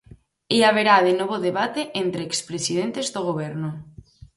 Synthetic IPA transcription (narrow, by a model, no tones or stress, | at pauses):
iaβ̞eɾaðenoβ̞oðeβ̞at̪eʔent̪ɾeːkspɾesið̞ent̪ezðoɣ̞oβɛɾno